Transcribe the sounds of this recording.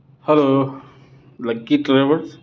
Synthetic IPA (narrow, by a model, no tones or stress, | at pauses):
hɛlo | lɐɡiʈɾeʋəɾ